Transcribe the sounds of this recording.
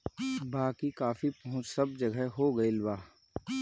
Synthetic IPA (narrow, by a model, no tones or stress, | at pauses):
baːkikaːfipɐɦʊ̃t͡ʃsɐb̚d͡ʒɐɡəɦoːɡɐilbaː